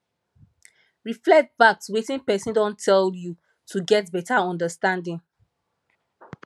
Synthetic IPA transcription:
ɹiflɛk̚tbak̚twetĩŋpɛsĩndɔ̃ntʰɛlju | tʰuɡɛt̚bɛtaɔ̃ndəstãndĩŋ

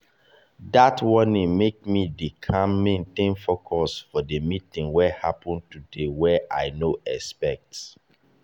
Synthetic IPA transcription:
datwɔnĩŋmek̚midikʰãmẽntɪ̃nfokʰɔsfɔdəmitɪ̃ŋwɛhapɔ̃ntudewɛʔaɪnoʔɛspɛk̚ts

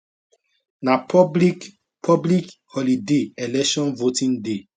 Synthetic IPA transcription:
nap | pʰɔblikhɔlideɛlɛkʃɔ̃nvotĩŋde

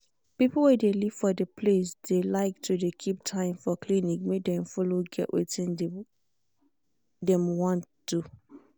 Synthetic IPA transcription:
pipl̩ˠwɛdeliv̥fɔdəpʰles̬d̥elaɪk̚tʰudekʰip̚tʰãɪ̃mfɔkʰlinik̚medɛ̃mfɔloɡɛ̰ʔwḛtĩn | dɛ̃mwɔ̃nt | d̥u

